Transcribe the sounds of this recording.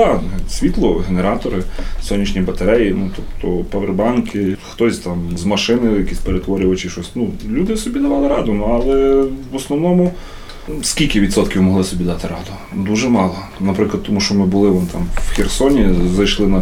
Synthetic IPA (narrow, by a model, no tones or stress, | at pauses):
ɑsʲʋʲit̪lˠɔɦeneɾɑt̪ɔɾɪsɔnʲːit͡ʃnʲijbɐt̪ɐɾɛjinut̪ɔpt̪ʰɔpɐʋerbɑnkʰɪxt̪ɔsʲt̪ɑmzmɐʃɪnɪjɐkʲisʲpeɾet̪ʋɔɾʲʊʋɐt͡ʃɪʃɔsʲnulʲud̪ɪsɔbʲid̪ɐʋɑlˠɪɾɑd̪ʊnuɑlˠɛʋɔsnɔwnɔmʊ | skʲilʲkɪʋʲidt̪sɔt̪kʲiwmɔɦlˠɪsɔbʲid̪ɑt̪ɪɾɑ̰d̪ʊ | d̪uʒɛmɑlˠɔ | nɐpɾɪklˠɐd̪t̪t̪ːɔmuʃt͡ʃɔmɪbʊlˠɪʋɔnɪt̪ɑmwxʲersɔnʲizɐjʃlˠɪnɐ